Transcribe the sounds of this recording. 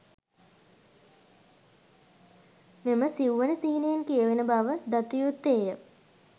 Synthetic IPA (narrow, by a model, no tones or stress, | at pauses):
meməsiwʋənəsiɦinejenkijəʋenəbaʋəd̪at̪ijut̪ːeːjə